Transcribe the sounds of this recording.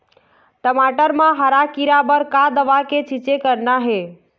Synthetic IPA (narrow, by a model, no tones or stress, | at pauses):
ʈəmaːʈəɾmãɦəɾakiɾabəɾkad̪əʋaket͡ʃʰɪt͡ʃekəɾnaɦe